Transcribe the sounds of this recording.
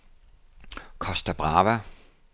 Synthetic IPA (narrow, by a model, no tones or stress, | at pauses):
kʰɒsd̥æb̥ʁɑ̈ːʋæ